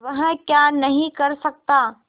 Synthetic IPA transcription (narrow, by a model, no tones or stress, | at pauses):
ʋɐɦə̃kjanɐɦĩkɐɾsɐk̚t̪aː